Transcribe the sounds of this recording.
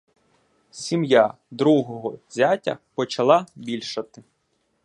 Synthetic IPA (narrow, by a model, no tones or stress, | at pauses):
sʲimja | d̪ɾuɦɔɦɔzʲatʲɐ̰pɔt͡ʃɐlˠɑbʲilʲʃɐt̪ɪ